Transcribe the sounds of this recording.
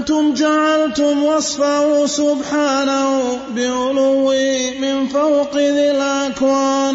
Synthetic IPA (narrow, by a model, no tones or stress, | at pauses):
t̪ʊmd͡ʒaʕalt̪ʊmwɑsˤfahʊsʊbħaːnahʊbɪʕʊlʊwːɪmɪnfawqɪðɪlʔʔakwaːn